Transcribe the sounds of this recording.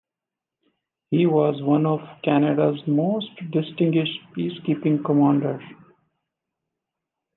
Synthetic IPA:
hiːʋɔːzʋʌ̃nɔʋkænəɖazmoːsʈɖɪsʈɪ̃ŋɡwɪʃʈpiːskiːpɪ̃ŋkəmãːɳɖəɾz̥

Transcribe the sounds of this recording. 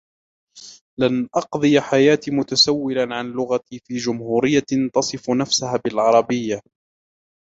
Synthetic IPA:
lanʔɑqd̪ˤɨjaħajaːt̪iːmʊt̪asawːɪlanʕanlʊɣat̪iːfiːd͡ʒʊmhuːɾɪjːat̪ɑsˤɨfnafsahaːbɪlʕɑɾˤɑbɪjːa

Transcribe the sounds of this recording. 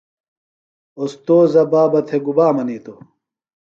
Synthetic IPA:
ost̪oːzɐbaːbɐt̪ʰeɡubaːmɐniːt̪o

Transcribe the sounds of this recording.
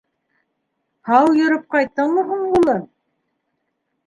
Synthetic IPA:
hɑwjɵ̆ɾɤp̚qɑjt̪ːɤɴmɤɦuɴulˠɤ

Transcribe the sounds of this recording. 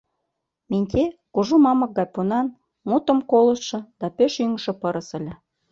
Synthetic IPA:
menʲt̪ʲekuʒumɑmɤ̆k̚ɡɑpːonɑn | mut̪ə̆mkolə̆sʃɤ̆d̪̥ɑpøʃyŋʃɤ̆pɤ̆ɾə̆sə̆lʲĕ

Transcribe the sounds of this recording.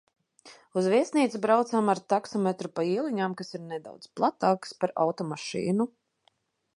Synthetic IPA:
uzviɛsniːt̪sbɾawt̪saːmaɾt̪aksɔmɛt̪ɾupaiɛlˠiɲaːmkasiɾnɛd̪a̰wd̪zplˠat̪aːkspaɾa̰wt̪ɔmaʃḭːnu

